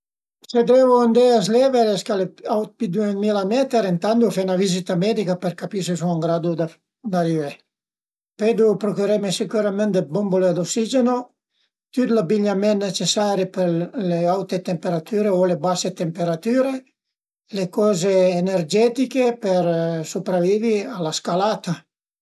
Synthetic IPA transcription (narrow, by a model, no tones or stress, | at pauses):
sed̪evoand̪eazleveɾeskaleawt̪̚pid̪uemilamɛt̪eɾent̪and̪ufenavizit̪amɛd̪ikapeɾkapis̬es̬uaŋɡɾad̪ud̪a | d̪arive | ped̪upɾokuɾemesikuɾamɛnt̪d̪ebombolead̪oksid͡ʒeno | t̪jut̪labiɲamɛnːet͡ʃesaːɾepeleawt̪et̪empeɾat̪yːɾeolebaset̪empeɾat̪yːɾe | lekɔːzeːnerd͡ʒɛt̪ikepeɾsupɾaviːvialaskalat̪a